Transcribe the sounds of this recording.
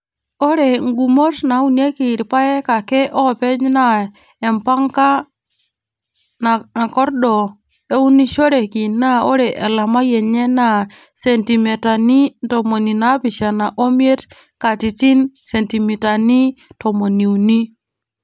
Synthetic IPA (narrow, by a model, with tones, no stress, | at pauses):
o˦ɾe˨ŋɡu˨mo˦sna˨˦u˦n˦e˦ki˨ɾpa˦je˦ka˨ke˦ʔo˦˨pe˦ɲna˦˨ | e˨mpa˦ŋka˦ | na˨kɔ˦ɾɗɔ˨ | e˦u˦ni˦ʃo˦ɾe˨ki˨na˦o˦ɾe˨ʔe˨la˨ma˦je˨ɲe˦na˨ | se˨nti˨me˨ta˨ni˦nto˨mo˨ni˨na˨˦pi˨ʃa˨na˨ʔo˦mi˦e˦t | ka˨ti˨t͡ʃi˦nse˨nti˨mi˨ta˨ni˦to˨mo˨ni˨u˨ni˦